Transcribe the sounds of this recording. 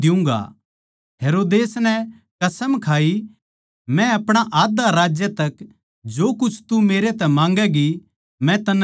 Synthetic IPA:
ɪũːŋɡa̰ | ɦeːɾoːd̪eːsnɛ | kɐsəmkʰaːi | mɛ̃ɐpɽ̃aʔaːd̪aɾaːd͡ʒjət̪ɐk | d͡ʒoːkʊt͡ʃʰt̪umeːɾet̪ɛmãːŋɡɛɡi | mɛ̃t̪ɐn

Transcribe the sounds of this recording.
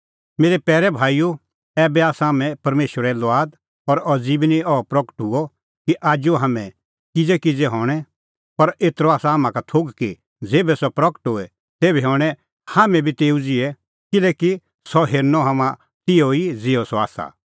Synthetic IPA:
meːɾɛpɛːɾɛbʱaːijo | ɛːbɛaːsaːmɛ̃pɐɾmeːʃwəɾɛlʋaːd̪ | ɔɾɔd͡ziːbniɔpɾɔkə̥ʈɦʊɔ | kiʔaːd͡ʒoɦaːmɛ̃ | kɪd͡zɛkid͡zɛɦɔːɽ̃ɛ | pɐɾeːt̪ɾɔaːsaɦamãkat̪ʰoːɡki | d͡zeːbɛsɔpɾɐkə̥ʈɦoːɛ | t̪eːbiɦɔːɽ̃ɛ | haːmɛ̃bʱit̪eːud͡zɪɛ | kɪlɛːki | sɔɦeːɾnɔɦamã | t̪ɪoid͡zɪɔsɔaːsa̰

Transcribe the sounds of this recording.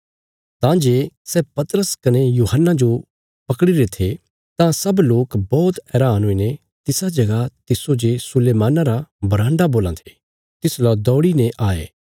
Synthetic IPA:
t̪ãd͡ʒeːsɛːpɐt̪ɾəskɐnejuːɦənːad͡ʒo | pɐkɽiɾet̪ʰe | t̪ãsɐbloːkbɔːt̪ɛːɾaːnɦoinẽ | t̪ɪsad͡ʒɐɡat̪ɪsod͡ʒesʊleːmaːnaɾabɐɾãːɳɖaboːlãt̪ʰe̥ː | t̪ɪslɔːd̪ɔːɽinẽʔaːḛː

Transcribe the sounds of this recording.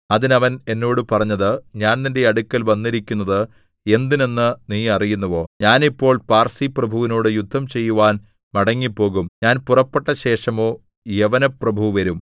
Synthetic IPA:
ɐðinɐʋɐne̞nːo̞ːɽɨpɐrɐɲːɐðɨɲaːnninde̞ɐɽukʲːɐlʋɐnːiɾikʲːunːɐðɨ | e̞nd̪ine̞nːɨniːɐrijunːɐʋo̞ːɲaːnipːo̞ːɭpaːrsiprɐbʱuʋino̞ːɽɨjud̪ʱːɐmt͡ɕe̞jːuʋaːn | mɐɽɐŋːipːo̞ːɣumɲaːnpurɐpːe̞ʈːɐɕe̞ːʂɐmo̞ː | jeʋɐnɐprɐbʱuʋɐɾum

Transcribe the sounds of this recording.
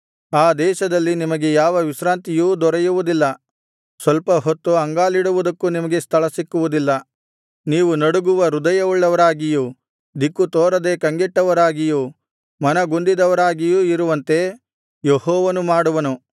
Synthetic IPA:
aːd̪ɛːʃɐd̪ɐlːinimɐɡe̞jaːʋɐʋiʃɾaːnt̪ijuːd̪ɔɾɐjuʋud̪ilːɐ | sʋɐlpɐɦot̪ːuɐŋɡaːliɽuʋud̪ɐkːunimɐɡe̞st̪ʰɐɭɐsikːuʋud̪ilːɐ | niːʋunɐɽuɡuʋɐɾud̪ɐjɐuɭːɐʋɐɾaːɡiju | d̪ikːut̪oːɾɐd̪e̞ːkɐŋɡiʈːɐʋɐɾaːɡiju | mɐnɐɡund̪id̪ɐʋɐɾaːɡijuiɾuʋɐnt̪e̞ | jehɔːʋɐnumaːɽuʋɐnu

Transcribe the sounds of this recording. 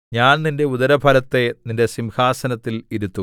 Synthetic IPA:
ɲaːnninde̞uðɐɾɐbʱɐlɐt̪ːe̞ninde̞simhaːsɐnɐt̪ːiliɾut̪ːu

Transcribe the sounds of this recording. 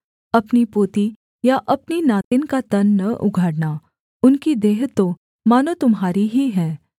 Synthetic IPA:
ɐpnipoːt̪i | jaʔɐpninaːt̪ɪnkat̪ɐnːɐʔʊ̰ɡʱaːɽna | ʊnkid̪eːɦt̪o | maːnot̪ʊmɦaːɾiɦiɦɛ̃ː

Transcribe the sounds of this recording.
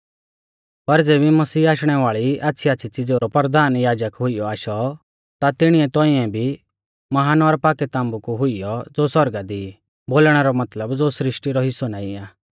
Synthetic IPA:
pɐɾd͡zeːbimɐsiːaːʃɽ̃ɛʋaːɭiaːtːʃʰiaːtːʃʰit͡sɪd͡zoɾɔpɾd̪aːnjaːd͡ʒəkɦʊijɔaːʃɔ | t̪at̪ɪɽ̃iɛt̪ɔ̃ːiɛ̃bʱi | mɐɦaːnɔɾpaːkɛt̪ãːmbukuɦʊɪjɔd͡zoːsɐɾɡad̪i | boːlɽ̃ɛɾɔmɐt̪ləbd͡zosɾɪʃʈiɾɔɦɪsɔnaːɪãː

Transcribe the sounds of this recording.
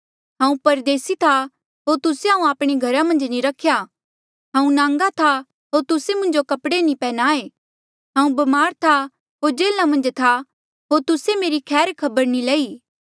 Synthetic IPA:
ɦãːũpɐɾd̪eːsit̪ʰa | ɦoːɾt̪ʊseɦãːũaːpɽ̃eɡʱɐɾãmɐ̃nd͡ʒniɾɐkʰːja | ɦãːũnãːŋɡat̪ʰa | ɦoːɾt̪ʊsemʊ̃nd͡ʒokɐpɽenĩpɛːnaːe | ɦãːũbɐmaːɾt̪ʰa | ɦoːɾd͡ʒeːlãmɐ̃nd͡ʒt̪ʰa | ɦoːɾt̪ʊsemeːɾikʰɛːɾkʰɐbəɾnilɐiː

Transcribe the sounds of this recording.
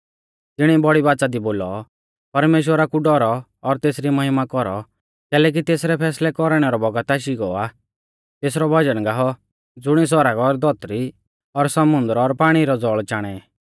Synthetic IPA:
t̪ɪɽ̃ibɔɽibaːt͡ʃad̪iboːlɔ | pɐɾmeːʃ̬wəɾakuɖɔɾɔː | ɾt̪eːsɾimɐɦɪmakɔɾɔ | kɛːlɛːk̬it̪eːsɾɛpʰɛːslɛkɔɾɽ̃ɛɾɔbɔɡət̪aːʃ̬iɡɔa | t̪eːsɾɔbʱɐd͡ʒənɡaɦɔ | d͡zʊɽ̃is̬ɔɾaɡɔɾd̪ɔt̪ɾi | ɔɾsɐmʊnd̪əɾɔɾpaːɽ̃iɾɔd͡zɔɭt͡ʃaːɽ̃ɛ

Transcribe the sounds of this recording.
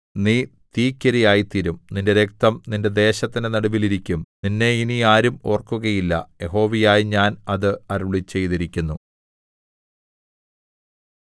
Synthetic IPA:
niːt̪iːkʲːɐɾijaːjit̪iɾumninde̞ɾe̞k̚t̪ɐmninde̞d̪e̞ːɕɐt̪ːinenɐɽubiliɾikʲːumninːe̞iniaːɾumo̞̰ːrkːuɣɐjilːɐ̰je̞ɦo̞ːʋijaːjiɲaːnɐðɨɐɾuɭit͡ɕːe̞jt̪iɾikʲːunːu

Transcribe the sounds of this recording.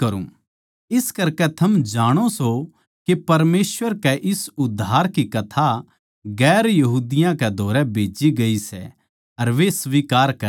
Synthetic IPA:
ɐɾṵ̃ | ɪskɐɾkɛt̪ʰɐmd͡ʒaːɽ̃oso | kepɐɾmeːsʋəɾkɛʔɪsʊd̪ʱːaːɾkikɐt̪ʰa | ɡɛːɾjɐɦuːd̪ɪjãkɛd̪ʱoːɾɛbʱeːd͡ʒiɡɐisɛ | ɐɾʋesʋiːkaːɾkɐ

